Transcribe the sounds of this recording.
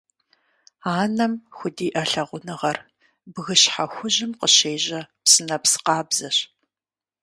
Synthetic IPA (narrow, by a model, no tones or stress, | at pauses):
aːnɐmxʷʊdiːʔɐɬɐʁʷʊnɨʁɐr | bɣɨɕħaxʷʊʑɪmqəɕeːʑɐpsɨnɐpsɨ̥qɑːbzɐɕ